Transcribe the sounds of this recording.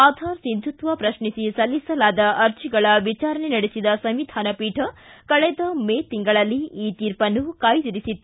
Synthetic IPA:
aːd̪ʱaːɾsind̪ʱut̪ʋɐpɾɐʃɳisisɐlːisɐlaːd̪ɐʔɐɾt͡ʃiɡɐɭɐʋit͡ʃaːɾɐɳenɐɽesid̪ɐsɐmʋid̪ʱaːnɐpiːʈʰɐkɐɭɛd̪ɐmeːt̪iŋɡɐɭɐlːiiːt̪iːɾpɐnukaːjd̪iɾisit̪ː

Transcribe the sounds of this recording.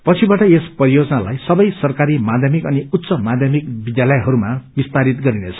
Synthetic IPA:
pʌt͡sʰibaʈʌespʌɾijod͡zʌnalajsʌbʌjsʌrkaɾimad̪ʱjʌmikʌniut̪ːsʌmad̪ʱjʌmik̚bid̪jalʌjɦʌɾumabist̪aɾit̪ɡʌɾinet͡sʰʌ̥

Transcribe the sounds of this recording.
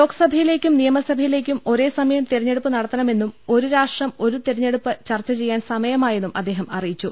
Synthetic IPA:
lo̞ːkːɐ̥sɐbʱɐjile̞ːkʲːumnijɐmɐsɐbʱɐjile̞ːk̬ʲːumo̞ɾe̞ːsɐmɐjɐmt̪eɾɐɲːe̞ɽupːɨnɐɽɐt̪ːɐnɐme̞nːumo̞ɾuɾaːʂʈrɐmo̞ɾut̪eɾɐɲːe̞ɽupːɨt͡ɕɐrt͡ɕːɐt͡ɕe̞jːaːnsɐmɐjɐmaːjenːumɐ̰d̪ːeːɦɐmɐrijit͡ɕːu

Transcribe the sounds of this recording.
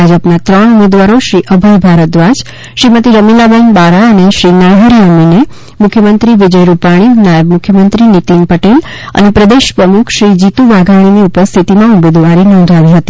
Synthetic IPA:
ad͡ʒəpnat̪ɾəɳumed̪ʋaɾoʃɾiʔəbʱəjbʱaɾət̪̚d̪ʋad͡ʒ | ʃɾimət̪iɾəmilabɛnbaɾaəneʃɾinaɦeɾijamːine | mʊkʰjəmənt̪ɾiʋid͡ʒəjɾupaɽ̃inajəbmʊkʰjəmənt̪ɾinit̪inpəʈel | ə̰nepɾəd̪eʃpɾəmukʰʃɾid͡ʒit̪uʋaɡʱaɽ̃iniupəɾst̪ʰit̪imãumed̪ʋaɾinɔ̃ːnd̪ʱaʋiɦət̪i

